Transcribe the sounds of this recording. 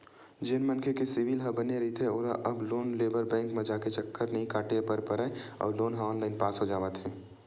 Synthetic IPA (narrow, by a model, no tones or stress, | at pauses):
d͡ʒɪnmɐnkʰekesɪʋɪlɦɐ̃bɐneɾɐit̪ʰeoːɾa̰ʔɐbloːnleːbəɾbɛ̃ːŋkmẽd͡ʒaːket͡ʃəkːəɾnɐɦĩkaːʈepəɾpəɾaeɔ̰ːɾloːnɦə̃ɔːnlaːɪnpaːsɦod͡ʒaːʋət̪ɦɛː